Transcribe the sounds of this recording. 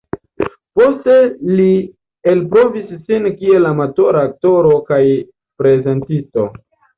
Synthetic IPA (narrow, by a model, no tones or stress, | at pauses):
po̞ste̞li | elpɾo̞visːinkie̞lamato̞ɾaːk̚to̞ɾo̞kaj | pɾe̞ze̞ntisto̞̰